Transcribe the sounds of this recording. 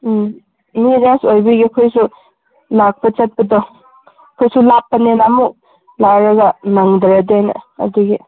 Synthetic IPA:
miɾasojbiɡikʰojsu | lak̚pɐt͡ʃɐt̚pɐdɔ | kʰojsulapːɐnenamu | laɾɐɡɐnaŋdɐɾadena̰ɐ̰duɡi

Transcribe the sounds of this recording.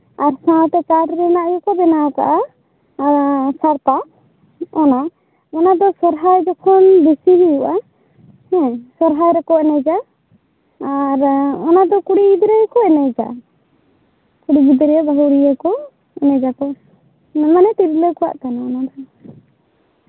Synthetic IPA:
aɾsãt̪ɛkaɾɾɛnaʔjukɔb̪ɛnaɔka̰ʔa | saɾt̪a | ɔna | ɔnad̪ɔsɔɾɦajd͡ʒɔkʰɔnb̪isiɦijuʔa | hɛ̃sɔɾɦajɾɛkɔɛnɛd͡ʒa | aɾɔnad̪ɔkuɽiɡid̪ɾɛjkɔɛnɛjd͡ʒa̰ | kuɽiɡid̪ɾɛjabaɦuɾijakɔ | ɛnɛd͡ʒakɔ | namanɛt̪iɾləkɔwa̰ʔkanaɔnad̪ɔ

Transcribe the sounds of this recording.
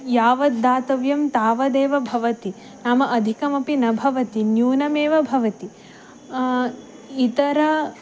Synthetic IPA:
jaːʋɐd̪ːaːt̪ɐʋjɐmt̪aːʋɐd̪eːʋɐbʱɐʋɐt̪i | naːmɐʔɐd̪ʱikɐmɐpinɐbʱɐʋɐt̪injuːnɐmeːʋɐbʱɐʋɐt̪i | it̪ɐɾɐ

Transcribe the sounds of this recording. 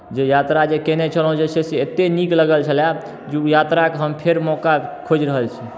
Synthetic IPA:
d͡ʒejat̪ɾad͡ʒekenɛt͡ʃʰəlɦũd͡ʒesʰeseet̪enikləɡəlt͡ʃʰəlja | d͡ʒeujat̪ɾakɦəmpʰeɾmɔkakʰod͡ʒɾəɦəlt͡ʃʰi

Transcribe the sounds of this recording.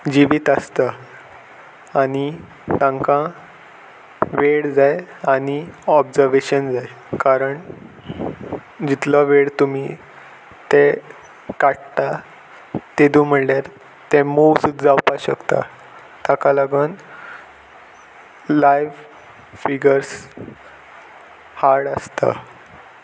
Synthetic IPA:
d͡ʑiʋiːt̪əst̪a | ɽi | t̪ãŋkã | ʋeɽd͡zajaɽ̃iɔbd͡zəɾʋeɕənd͡zaj | kaɾəɳ | d͡ʑit̪ləʋeɽt̪umi | t̪e | kaʈt̪a | t̪ed̪uːm̤əɽljaɾ | t̪emowsut̪d͡zawpaɕəkt̪a̰ | t̪akaləɡən | lajʋ | fiɡəɾs | haɽəst̪a̰

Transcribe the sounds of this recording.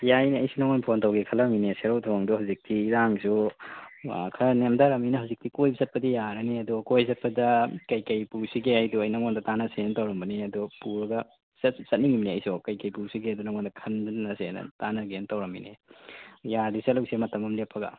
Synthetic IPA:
jajniɐjsunɐŋonpʰontɐwɡekʰɐlɐmineseɾowtʰoŋdɔhawzik̚tʰiɾaŋsu | kʰɐnemdaɾɐminɐɦawzik̚tikojbizɐt̚pɐdijaɾɐneɐdɔkojzɐt̚pɐdɐkɐjkɐjpusiɡeajduɐjnɐŋondɐtanɐsentɐwɾɐmbɐneɐdɔpuɾɐɡɐ | ssɐt̚niŋimneɐjsokɐjkɐjpuɾsiɡeajdunɐŋondɐkʰɐnːɐsenɐ̰tanɐɡentɐwɾɐmḭnḛ | jadiseluwsemɐtɐmɐmlepʰːɐɡɐ̰

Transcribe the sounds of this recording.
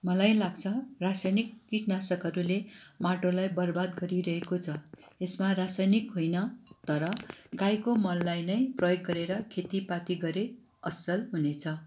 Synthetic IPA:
mʌlajlaɡt͡sʰʌrasajnikkiʈnasʌkʌɾulemaʈolajbʌrbad̪ɡʌɾiɾʌɦekot͡sʰʌ | esmarasajnikɦojnʌt̪ʌɾʌɡajkomʌlːajnʌjprʌjoɡːʌɾeɾʌkʰet̪ipat̪iɡʌɾe | ʌsʌlɦunet͡sʰʌ

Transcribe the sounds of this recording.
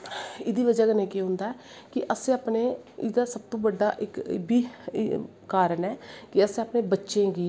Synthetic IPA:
ɪd̪iːʋəd͡ʒaːkənẽːkeɦʊ̃nd̪aːɛː | kɪʔəsẽaːpneːɪd̪aːsəb̚t̪õːbəɖːaːʔɪkbiː | kaːɾənɛːkɪəsẽːaːpneːbətːʃẽːɡiː

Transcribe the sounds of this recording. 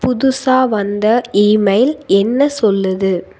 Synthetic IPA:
pʊðʊsaːʋɐnd̪ɐiːmɐɪlɛnːɐsɔlːɐðɯ

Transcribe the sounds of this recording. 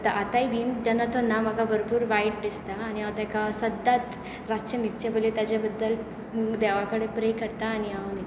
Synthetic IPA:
t̪aʔat̪aibind͡ʑanːat̪onam̤aɡabəɾpuːɾʋaiʈ̚d̪ist̪aːñiawt̪ɛkasəd̪ːat̪ | ɾaɕəmit̪ːt͡ɕebolet̪jad͡ʑabəd̪ːəl | d̪ɛʋakəɽepɾekəɾt̪aːniani

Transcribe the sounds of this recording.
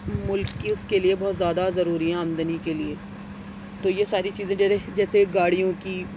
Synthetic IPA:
mʊlkːiʊskeliebɔːt̪zjaːd̪azɐɾuːɾiɦɛ̃ãːmnd̪ənikelieː | t̪oːjesaːɾit͡ʃiːzẽd͡ʒɛːd͡ʒɛːseɡaːɽ̤ijõki

